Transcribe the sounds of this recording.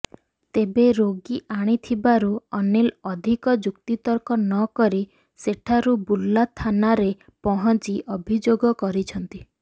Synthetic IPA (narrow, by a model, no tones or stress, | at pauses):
t̪ebeɾoɡiʔaɽ̃it̪ʰibaɾuɔnelɔd̪ʱikɔd͡ʒukt̪it̪ɔɾkɔnɔkɔɾi | seʈʰaɾubulːat̪ʰanaɾe | pɔɦɔnt͡ʃiʔɔbʱid͡ʒoɡɔkɔɾit͡ʃʰɔnt̪i